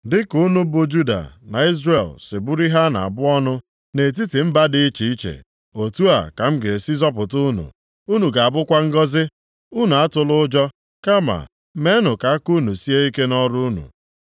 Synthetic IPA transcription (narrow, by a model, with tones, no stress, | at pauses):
dɪ˦kʊ˦nu˦bʊ˨d͡ʒu˦da̰˨na̰˨i˦zre˨lsɪ˨bu˦ɾi˦ɦa˦na̰˨a˨bʊ˦ɔ˦nʊ˦ | ne˨t̬i˦ti˨m̩˦ba˦dɪ˦i˦t͡ʃi˨i˦t͡ʃḛ˨ | o˨tu˦a̰˨ka˨m̩˦ɡe˨si˦zɔ˦p̬ʊ˨tʊ˦nṵ˨ | u˦nu˨ɡa˨a˨bʊ˦kʷa˦ŋ̩˦ɡɔ˦zɪ˦ | u˦nu˨a˦tʊ˨lʊ˦ʊ˦d͡ʒɔ˦ | ka˦ma̰˨ | me˦nʊ˨ka˨a˦ku˦nu˨si˦e˦i˦ke˦nɔ˦ɾʊ˦nṵ˨